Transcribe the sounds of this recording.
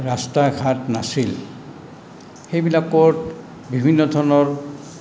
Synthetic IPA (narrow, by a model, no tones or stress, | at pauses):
ɹastaɡʰʱatnasil | xejbilakɔt | bibʱinːɔdʱɔɹnɔɹ